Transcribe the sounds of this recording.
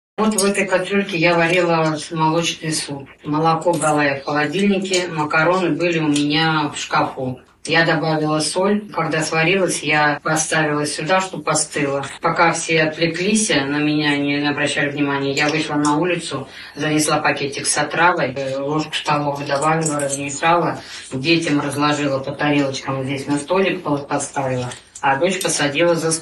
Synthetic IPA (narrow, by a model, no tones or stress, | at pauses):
vo̞t̪vɛt̪əjkɐt̪ɾʲulʲkʲɪjavɐɾʲilˠəmɐlˠo̞t͡ɕɪnɨjsut̪̚məlˠɐko̞bɾɐlˠajafxəlˠɐdʲilʲnʲɪkʲɪməkɐɾo̞nɨbɨlʲɪʊmʲɪnʲafʂkafu | jad̪ɐbavʲɪlˠəsolʲkɐɡd̪asvɐɾʲilˠəsʲjapɐst̪avʲɪlˠəsʲːʊd̪aʂt̪opɐst̪ɨlˠəpɐkafsʲeɐt̪lʲɪklʲisʲənəmʲɪnʲanʲɪnɐbɾɐɕːælʲɪvnʲɪmanʲɪjəjavɨʂlˠənɐulʲɪt̪sʊ | zənʲɪslˠapɐkʲetʲːɪksɐt̪ɾavəjlˠoʂkʂt̪ɐlˠovəd̪ɐbavʲɪlˠəɾəzʲnʲɪʂalˠədʲetʲɪmrəzlˠɐʐɨlˠəpət̪ɐɾʲilˠət͡ɕkəmzʲdʲesʲnɐst̪o̞lʲɪkpəpɐst̪avʲɪlˠə | ad̪o̞t͡ɕpəsɐdʲilˠəzə